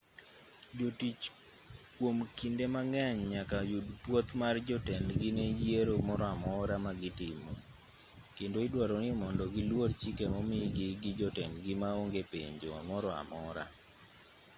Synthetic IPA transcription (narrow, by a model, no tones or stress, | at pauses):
d͡ʒotit͡ʃ | kwomkindemaŋɛɲɲakajudpwot̪mard͡ʒɔtɛndɡɪned͡ʒjeɾomɔɾɔamɔɾamaɡɪtɪmɔ̰ | kendoidwaɾɔnɪmɔndɔɡɪlwort͡ʃikemɔmɪɡɪɡɪd͡ʒɔtɛndɡɪmaoŋɡepḛɲd͡ʒomɔɾɔa̰mɔɾa̰